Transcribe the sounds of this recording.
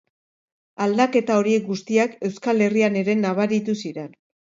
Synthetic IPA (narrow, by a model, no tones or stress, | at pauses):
ald̪ake̞t̪ao̞ɾie̞k̚ɡust̪iake̞wskale̞riane̞ɾe̞naβaɾit̪usiɾe̞n